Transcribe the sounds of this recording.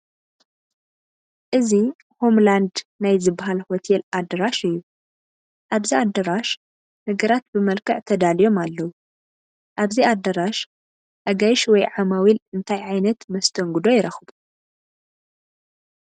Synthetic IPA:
ʔɨzi | ho̞mland̪najzɨbːaɦalhot̪ʰelʔad̪ɐɾaʃɨjːu | ʔaβziad̪ɐɾaʃ | nɨɡɐɾat̪̚bɨmɐlkʰɨʕt̪ʰɐd̪alijo̞malːɐwu | ʔaβziad̪ɐɾaʃ | ʔɐɡajʃwɔjʕamawilɨnt̪ʰajʕajnɐt̪mɐst̪ʰɐŋɡud̪o̞jɪɾɐxbu

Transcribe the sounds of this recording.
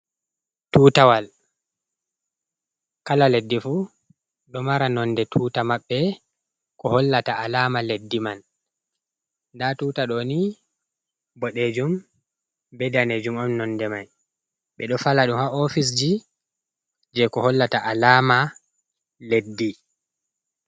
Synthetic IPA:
tuːtawal | kalaledːifu | ɗɔmaɾanɔndɛtʰuːtamaɓːɛ | kɔhɔlːataʔalamaledːiman | datuːtaɗɔni | bɔɗed͡ʒum | bɛdaned͡ʒumɔmnɔndɛmaj | ɓɛɗɔfalaɗumhaɔfis̬d͡ʒi | d͡ʒɛkɔhɔlːataʔalaːma | ledːi

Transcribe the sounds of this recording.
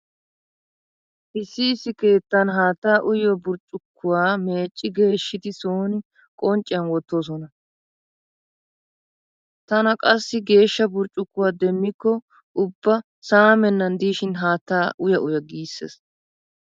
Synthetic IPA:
ʔɪsːɪːsːɪke̞ːt̪ːɐnɦaːt̪ːaːʔʊjɔbʊɾt͡ʃʼːʊkːʊwaːme̞ːt͡ʃʼːɪɡe̞ːʃːɪd̪ɪsoːnɪ | kʼɔnt͡ʃʼːɪjɐnwɔt̪ːos̬ɔnɐ | t̪ɐnɐkʼɐsːɪɡe̞ːʃːɐbʊɾt͡ʃʼːʊkːʊwaːd̪ɛmːɪkːɔ | ʊbːɐ | saːmɛnːɐnd̪iːʃɪnɦaːt̪ːaːʔʊjɐʔʊjɐɡiːsːḛːs

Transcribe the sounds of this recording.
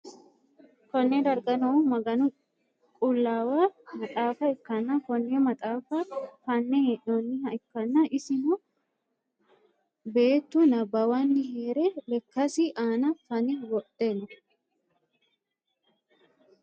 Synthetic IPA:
kɔnːɛd̪ɐɾɡɐnɔmɐɡɐnʊ | kʼʊlːaːwaːmɐt̪ʼaːfɐɪkːɐnːɐkɔnːɛɔmɐt̪ʼaːfɐfɐnːɛʔonːɪhɐɪkːɐnːɐʔɪsɪnʊ | be̞ːt̪ːunɐbɐwanːɪheːɾɛlɛkːɐsɪʔaːnɐfɐnɛwɔd̪enːɐ

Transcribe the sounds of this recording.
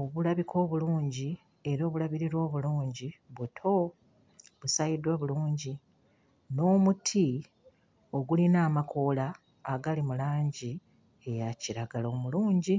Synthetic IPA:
oβulaβikʰo̞ːβuluːɲɟi | e̞ɾo̞ːβulaβiɾiɾwo̞ːβuluːɲɟiβutʰo̞ | βusajidwaβuluːɲɟi | no̞ːmutʰi | o̞ɡulinaːmakʰo̞laː | ɡalimulaːɲɟi | ejaciɾaɡalo̞ːmuluːɲɟi

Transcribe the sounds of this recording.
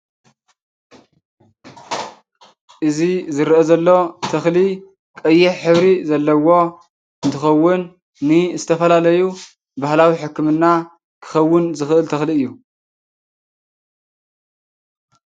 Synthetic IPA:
ʔɨzizɨɾʔɐzɐlːo̞t̪ʰɐxli | kʼɐjːɛħħɨβɾizɐlːɐwo̞ | ɨnt̪ʰɨxɐwːʊnː | ɨzɨt̪ʰɐfɐlalɐju | bahlawiħɨkːɨmɨnːa | kʰɨ̥xɐwːʊnzɨxʔɨlt̪ʰɐxliɨjːu

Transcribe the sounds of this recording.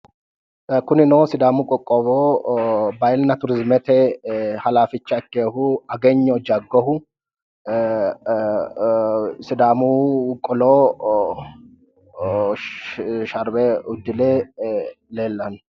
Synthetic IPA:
kʊnɪnoːsɪd̪aːmʊkʼɔkʼːoːboː | bɐjlnɐt̪ʊɾɪzmɛt̪ɛhɐlaːfɪt͡ʃːɐkːeːhʊɐɡɛɲːɔd͡ʒɐɡːɔhʊ | sɪd̪aːmukʼɔloː | ʃɐɾbɛʊd̪ːɪle | leːlːɐn

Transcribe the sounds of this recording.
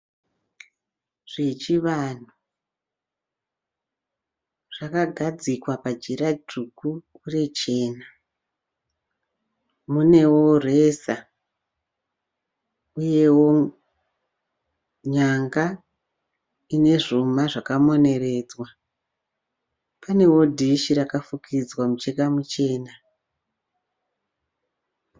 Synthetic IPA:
ʐ̥e̞t͡ʃiʋan̤u | ʐ̥akaɡʱad͡zikwapad͡ʒiɾaduku | ure̞t͡ʃe̞ːna | mune̞wore̞sa | uje̞wo̞ | ɲaŋɡa | ine̞ʐumaʐakamo̞ne̞re̞ːd͡zwa | pane̞wo̞dʱiʃiɾakafukʰid͡zwamut͡ʃekamut͡ʃe̞ːna

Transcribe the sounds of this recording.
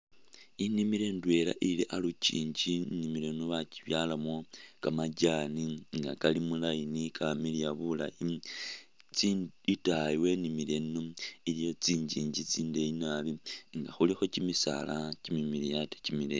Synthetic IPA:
inimiɾe̞ndwe̞la̰ʔiliʔalucḭːɲd͡ʒinimile̞nuβaci̥βjaːlamo̞kamaɟaːniŋɡakalimulajinikamilijaβula̰ji | t͡siitaiwe̞nimile̞noilijo̞t͡siːɲɟiːɲɟit͡siːndeinaβiŋɡaxulixo̞cimisa̰lacimimiɾijate̥cimile

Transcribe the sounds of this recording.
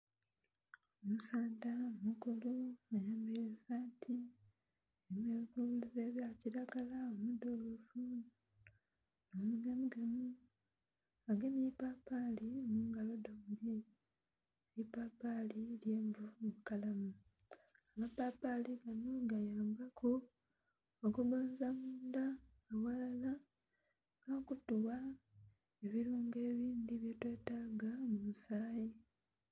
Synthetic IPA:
omusaːndamukuluajaːmbelesaːntʰi | emeβikuuluzeβjaciɾaɡalaomudolofu | nomuɡemuɡemu | aɡemipapaliomuːŋɡalo̞doːmbi | elipaːpaliljeːmvumumukalamu | amapapaliɡanoɡajaːmbakʰu | okuβoːnzamuːndaː | walala | ɡoːkutuwa | e̞βiɾuːŋɡe̞ːβiːndiβjetwe̞ːtaːɡamumusaːji

